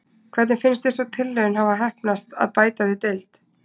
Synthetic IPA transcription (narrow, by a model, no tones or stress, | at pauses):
kʰvɛɾt̪nɪnfɪnst̪ɪnsɔwt̪ʰɪlːœɪnɦavaɦɛhpnast̪a̰ðpaːjt̪aðɪt̪ejlt̪